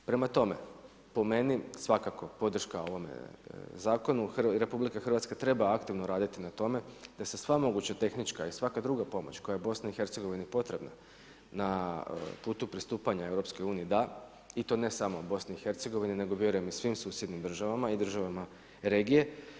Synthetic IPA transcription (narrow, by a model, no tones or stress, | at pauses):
pɾe̞mat̪o̞me̞̰ | po̞me̞nisʋakako̞po̞d̪r̩ʃkao̞ʋo̞mḛzaːko̞nuxɾe̞publikaxr̩ʋat̪skat̪ɾe̞baakt̪iʋnoɾaːd̪it̪inat̪o̞me̞d̪ase̞sʋamo̞ɡut͡ɕat̪e̞xnit͡ʃkaisʋakad̪ɾuɡapo̞mo̞̰t͡ɕko̞jaje̞bo̞snaixe̞ɾt̪se̞ɡo̞ʋinipo̞t̪ɾe̞bna̰ | napuːt̪upɾist̪uːpaɲae̞wɾopsko̞juːniid̪a | it̪o̞ːne̞samo̞bo̞sniixe̞ɾt̪se̞ɡo̞ʋinine̞ɡobje̞ɾujemisʋimsuːsje̞d̪nimd̪r̩ʒaʋamaid̪r̩ʒaʋama | ɾe̞ːɡije̞